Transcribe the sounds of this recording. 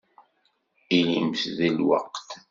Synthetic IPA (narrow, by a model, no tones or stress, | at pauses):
ilimθðilwɑ̰qt̪